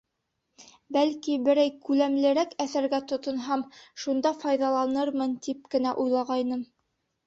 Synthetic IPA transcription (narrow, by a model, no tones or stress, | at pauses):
bælkibɘ̆ɾæjkʉlæmlɘ̆ɾækæθæɾɡæt̪ŏt̪ŏnɦɑmʃund̪ɑfɑjðɑlˠɑnɤɾmɤnt̪ip̚kɘ̆næʔujlˠɑʁɑjnɤm